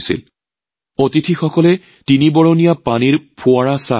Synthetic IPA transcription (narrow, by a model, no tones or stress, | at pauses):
sḭl | otitʰixɔkɔlɛ | tinibɔɹonijapaniɹpʰʊaɹasa̰